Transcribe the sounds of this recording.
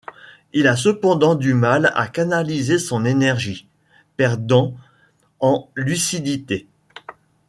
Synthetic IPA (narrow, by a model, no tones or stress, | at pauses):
ilasəpɑ̃d̪ɑ̃d̪ymala̰kanalizesɔ̃nenɛʁʒi | pɛʁd̪ɑ̃ | ɑ̃lysid̪it̪e